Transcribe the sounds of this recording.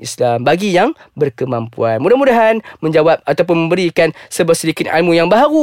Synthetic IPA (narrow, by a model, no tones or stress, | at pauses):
islambaɡijaŋbərkəmãmpṵanmudahmudaɦanmə̃ɲd͡ʒawap̚at̪ap̬ʊnmə̃mbəɾikansəbap̚sədikɪt̪a̰lmũjaŋbaɦaɾu